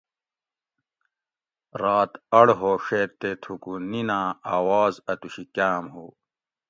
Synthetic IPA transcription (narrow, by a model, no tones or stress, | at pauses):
ɾaːt̪ɐɽɦoːʂeːɾt̪et̪ʰukuninãːaːwaːzɐt̪uɕikaːmɦuː